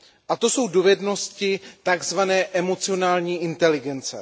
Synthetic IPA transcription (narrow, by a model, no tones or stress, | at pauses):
ʔat̪o̞so̞wdovɛdno̞scɪt̪aɡzvanɛːʔɛmo̞t͡sɪo̞naːlɲiːʔɪnt̪ɛlɪɡɛnt͡sɛ̰